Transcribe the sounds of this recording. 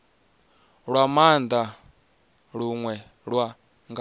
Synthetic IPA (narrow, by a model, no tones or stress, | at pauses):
ɺwamand̪a | ɺuŋwɛ | ɺwa | ŋɡ